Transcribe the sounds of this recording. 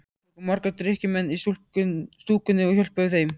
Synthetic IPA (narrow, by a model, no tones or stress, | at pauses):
ɔkɔmaɾkat̪ɾɪhcɪmɛnːisust̪uːkʏnːɪɔçœl̥pœθejm